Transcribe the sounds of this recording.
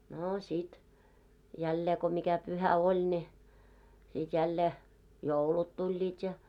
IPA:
noː sit jælːeː ko mikæ pyhæ olʲ ne sit jælːeː joulut tulʲːiːt jɑ

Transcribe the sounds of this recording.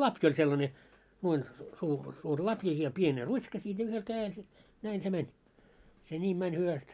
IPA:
lɑpj olʲ selːɑne nuoin suː suːr lɑpjɑ jɑ pien rutʲʃkɑ siːt jɑ yhel kæːel se næin se mɛnʲ se nʲiːm mænʲ hyʋæst

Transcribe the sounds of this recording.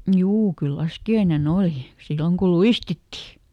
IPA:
juː kyl lɑskiɑinen oliˑ silːoŋ kul̆ luistitːi

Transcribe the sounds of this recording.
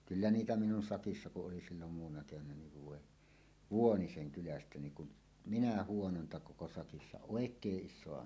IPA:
kylːæ niːtæ minun sɑkisːɑ kuʔ ʔoli silːom muːwˑɑnːɑ keʋænˑæ niʋ ʋoˑe ʋuoniseŋ kylæstæ niːŋ kun minæ huonontɑ koko sɑkisːɑ oˑekˑeːʔ ʔiʃsoɑ

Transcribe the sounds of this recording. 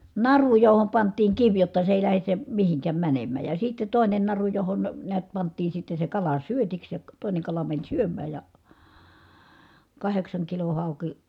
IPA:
nɑru johom pɑntˑiːŋ kiʋ jotːɑ se eˑi̯ læhes se mihiŋkæm mænemːæˑj jɑ sitːe toˑinen nɑru johon neæt pɑntˑiː sitːe se kɑlɑ syøtiks jɑ toˑine kɑlɑ mænʲ syømˑæːj jɑ kɑheksɑŋkilo hɑˑuki

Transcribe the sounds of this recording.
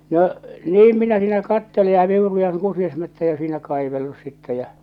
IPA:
no niːm minæ siːnæ kɑtːele jɑ ʋiurujɑŋ kusiɑsmætːæjæ siːnæ kɑiʋelːus sitːɛ jæ̠

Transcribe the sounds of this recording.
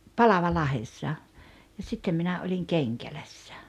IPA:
pɑlɑʋɑlːɑhesːɑ jɑ sitːem minæ olʲiŋ keŋkælæsːæ̥

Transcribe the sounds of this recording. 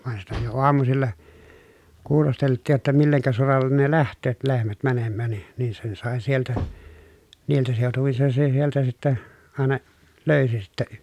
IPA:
ʋɑn sitæ jo oɑmusilːɑ kuːlosteltˑiːj jotːɑ milːeŋkæ solɑlːen ne læhtˑøːt lehmæt mænemːæːn ni nin sen sɑˑe sieltæ niːltæ seˑotuʋin sen se sieltæ sitːæ ɑˑenɑ løysi sitːæ

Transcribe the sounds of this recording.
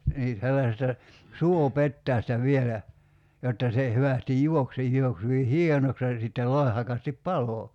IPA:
niː selːɑsestɑ suopetːæːstæ ʋielæ jotːɑ se hyʋæstij juok se jˑuoks hyʋi hienoks jɑ sitːel loi̞hɑkɑstip pɑlo

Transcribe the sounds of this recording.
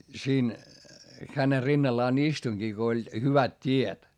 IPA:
siːn xæne rinːɑlːɑːn istuĭŋɡ̊i ko olʲ hyʋæt tʲiet

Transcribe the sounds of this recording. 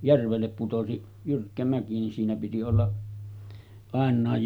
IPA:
jærʋelːep putosi jyrkːæ mæki nin siːnæ piti olːɑ ɑˑenˑɑˑej

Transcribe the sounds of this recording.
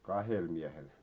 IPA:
kɑhel miehel

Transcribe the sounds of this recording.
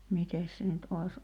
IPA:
mites se nyt ʔois

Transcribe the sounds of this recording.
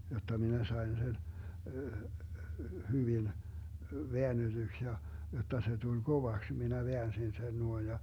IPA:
jotːɑ minæ sɑi̯n sen hyʋil ʋeænːed̥yks jɑ jotːɑ se tulʲ ɡ̊oʋɑks minæ ʋeænsin sen nuoij jɑ

